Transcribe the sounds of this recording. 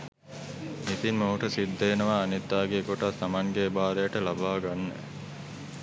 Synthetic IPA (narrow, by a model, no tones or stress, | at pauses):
mit̪inmoɦuʈəsid̪ːeːnəʋaːnid̪ːaːɡeːkoʈat̪ːamaŋɡeːbaːɾejaʈəlabaːɡanːḛ